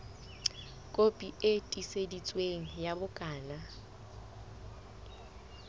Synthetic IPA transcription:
kʼopʼietʼisedit͡sʼweŋ̩jabʊkʼaːna

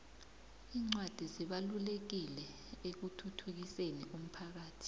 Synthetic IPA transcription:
iːŋ͡ǀwad̥ʱiziɓalulek̬ilɛ | ek̬utʰutʰuk̬iseniʔum̩pʰak̬aːtʰi̥

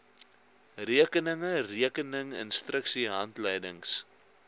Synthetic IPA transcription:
riəkənəŋəriəkənəŋə̰nstrəksiɦɐntləjdəŋs

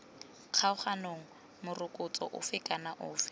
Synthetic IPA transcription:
q͡χʰaʊχanoŋ̩ | mʊrʊkʼʊt͡sʼɔ̰ʔʊ̰fɪkʼanaʔʊːfɪ̥

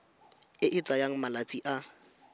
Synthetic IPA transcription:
ɪʔɪt͡sʼajaŋ̩malat͡sʼiʔa

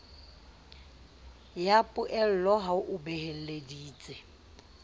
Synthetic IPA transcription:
japʼʊʔɛl̩lɔɦaʊʔʊbɛhel̩lediːt͡sʼɪ

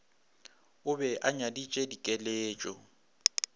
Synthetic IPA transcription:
ʊbɛʔaɲadit͡ʃʼedikʼeleːt͡ʃʼɔ̰

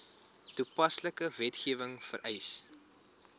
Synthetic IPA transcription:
tupɐsləkəvɛtχiəvəŋfə̰ɾʔɛjs

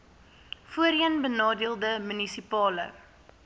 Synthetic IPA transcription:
fuəɾiənbənɑːdiəlˠdəmynisipɑːlə̰

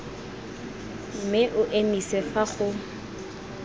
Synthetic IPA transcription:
m̩mɪʔʊʔenisɛfaχʊ

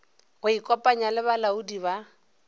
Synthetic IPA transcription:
ɣʊikʼɔpʼaɲalɪβalaudiβa

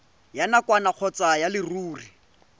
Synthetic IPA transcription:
janakwanaq͡χʰɔt͡sajalɪruːri

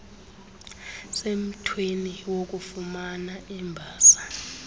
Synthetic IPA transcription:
sem̩tʰweniwok̬ʼufumanaʔɛmbʱaːsḁ

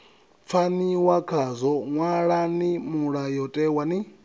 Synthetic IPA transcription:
p̪fʰaniwakʰazɔŋwaɺanimuɺajɔtʼɛwani

